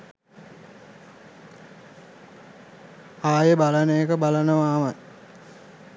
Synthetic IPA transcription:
aːjəbalənəekəbalənəʋaːmaj

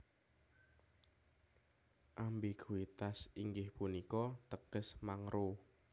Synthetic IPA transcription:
ʔambiɡ̥uit̪asiŋɡɪhpunikɔt̪əɡ̥əsmaŋɾʔo

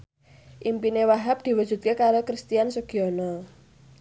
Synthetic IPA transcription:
ʔimpinewaɦap̚d̪̥i̤wud̥ʒ̥ṳt̪̚kekaɾokɾist̪iansuɡ̥iɔnɔ

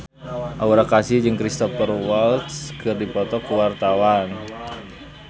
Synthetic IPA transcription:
ʔauɾakasɪhd͡ʒɨŋkɾist̪ɔfərwalt̪skɨrdipɔt̪ɔkuwart̪awan

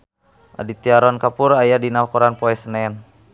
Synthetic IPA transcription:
ʔa̰dit̪iaɾɔnkapuɾajadinawkuɾanpɔɛsnɛn

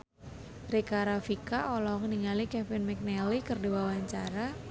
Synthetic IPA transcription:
rikaɾafikaʔolɔŋəniŋalikɛfɪnmɛk̚nɛlikɨrdiwawaɲt͡ʃaɾa

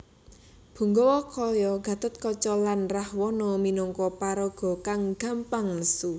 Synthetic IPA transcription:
b̥ṳŋɡɔwɔkɔjɔɡ̥ä̤t̪ʊt̪̚kɔt͡ʃɔlanrahwɔnɔminɔŋkɔpaɾɔɡ̥ɔ̤kaŋɡ̥a̤mpaŋləsu

